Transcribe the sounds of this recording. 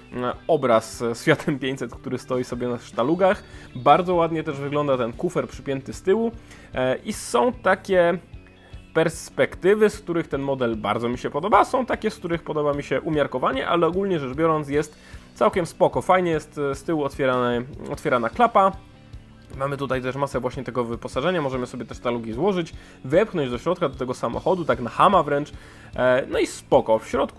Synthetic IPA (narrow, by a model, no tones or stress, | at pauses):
ɔbɾasfʲjat̪ʰɛmpʲjeɲt̪sɛt̪kt̪uɾɘst̪ɔjisɔbʲjɛnaʂt̪aluɡaxbaɾd̪zɔwad̪ɲɛt̪ɛʐvɘɡlɔnd̪at̪ɛnkufɛɾpʂɘpʲjɛnt̪ɘst̪ɘwu | ʔisɔ̃w̃t̪akʲɛ | pɛɾspɛkt̪ɘvɘskt̪uɾɘxt̪ɛnmɔd̪ɛlba̰ɾd̪zɔmʲiɕɛpɔd̪ɔbasɔ̃w̃t̪akʲɛsk̚t̪uɾɘxpɔd̪ɔbamʲiɕɛʔumʲjaɾkɔvaɲɛʔa̰lɛɔɡulɲɛʐɛʐbjɔɾɔnt̪sjɛst̪ | t̪sawkʲɛmspɔkɔfajɲɛjɛst̪st̪ɘwɔt̪fʲjɛɾanɛɔ̰t̪fʲjɛɾanaklapa | mamɘt̪ut̪ajt̪ɛʂmasɛvwaɕɲɛt̪ɛɡɔvɘpɔsaʐɛɲamɔʐɛmɘsɔbʲjɛt̪ɛʂt̪aluɡʲjizwɔʐɘt͡ɕ | vɛpxnɔɲd͡ʑd̪ɔɕɾɔt̪̚kad̪ɔt̪ɛɡɔsamɔ̰xɔd̪ut̪aknaxamavɾɛnt͡ʂ | nɔispɔkɔfɕɾɔt̪ku